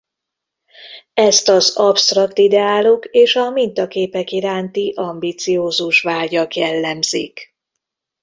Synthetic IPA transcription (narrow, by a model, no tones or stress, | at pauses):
ɛst̪ɒzɒpst̪rɒkt̪id̪ɛaːlokeːʃɒmint̪ɒkeːpɛkiɾaːnt̪iʔɒmbiːt̪sijoːzuʃʋaːɟɒkjɛlːɛmz̥ḭk